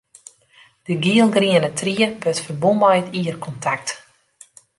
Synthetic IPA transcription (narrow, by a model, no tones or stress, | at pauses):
d̥əɡiəlˠɡriənətʰriəbøtfərbombajətiərkʰɔntʰak̚t